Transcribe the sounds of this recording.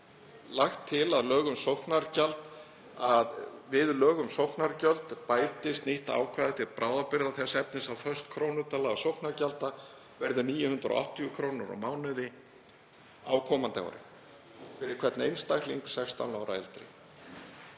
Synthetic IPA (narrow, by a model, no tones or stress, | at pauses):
laxt̪ʰːɪlaðlœːɣʏmsowhknaɾcalt̪ | aðvɪðlœːɣʏmsowhknaɾcœlt̪paːjt̪ɪst̪niht̪a̰ːwkʰvaːðɪt̪ʰɪðpɾaːwðapɪɾðaθɛsɛp̚nɪsawfœr̥st̪kʰɾownʏɾt̪alaɣsowhknaɾcalt̪a | vɛɾðʏniːjʏhʏnt̪ɾɔ̰ʔɔ̰ht̪ʰːijʏkʰɾoːwnaɾɔ̰maːwnʏðɪ | aːwkʰɔːmant̪a̰ɔ̰ɾɪ̰ | fɪɾɪɾ̥kʰvɛt̪nḛjnst̪akliŋksɛxst̪ʰa̰wnaːwɾa̰ɛ̰lt̪ɾɪ̰